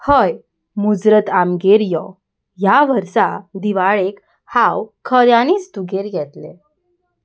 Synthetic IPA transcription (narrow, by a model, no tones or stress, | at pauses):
həj | mud͡zɾət̪amɡeɾjɔ | jaʋəɾsad̪iʋaɭek | hawkʰəɾjanit͡sd̪uɡʱeɾɡɛt̪lḛ̃